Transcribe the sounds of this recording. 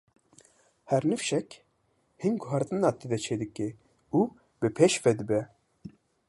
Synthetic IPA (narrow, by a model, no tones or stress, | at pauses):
hɛɾnɨfʃɛk | hinɡʊɦɑɾt̪ɨnɑːt̪ed̪ɛt͡ʃʰeːd̪ɨke | u | bɨpʰeʃvɛd̪ɨbɛ